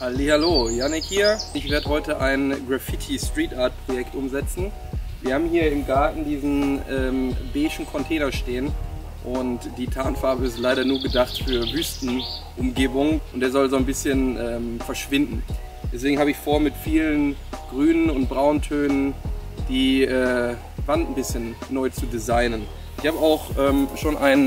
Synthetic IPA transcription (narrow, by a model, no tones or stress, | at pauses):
halihaloːjanɪkhiːɐɪçv̥eːɐdəɦɔʏtəʔaɪnɡʁafɪtʰistʁ̥iːtaːɐt̚pʁ̥ojɛktʔʊmzɛt͡sn̩ | viːɐhaːbm̩hiːɐɪmɡaɐtn̩diːzn̩ɛːmbeːɪʃn̩kʰɔntʰɛːnɐʃteːən | ʔʊntd̥iːtʰaːnfaɐbəɪstlaɪɾɐnuːɐɡədaχtfyːɐvyːstn̩ʔʊmɡeːbʊŋʔʊntd̥eːɐzɔlzoːnbɪsçənʔɛːmfɛɐʃv̥ɪndn̩ | d̥ɛs̬v̥eːɡŋ̩haːbəɪçfoːɐmɪtfiːlənɡ̥ʁyːnənʊnt̚b̥ʁaʊntʰøːnənd̥iːʔɛː | vantn̩bɪsçənːɔʏt͡sudizaɪnən | ɪçhaːbəaʊxʔɛːmʃoːnʔaɪn